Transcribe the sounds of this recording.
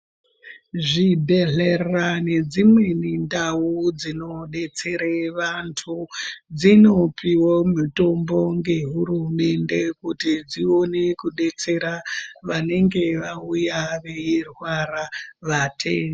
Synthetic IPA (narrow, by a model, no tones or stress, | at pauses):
ʐidʱeɮerrane̞d͡zimwe̞nindaud͡zino̞ɗe̞t͡se̞ɾeʋantʰud͡zino̞piwomito̞mbo̞ŋɡe̞ɦuɾume̞nde̞kutid͡zio̞ne̞kuɗe̞t͡se̞ɾaʋane̞ŋɡe̞ʋaujaʋe̞irwaɾaʋatʰeːno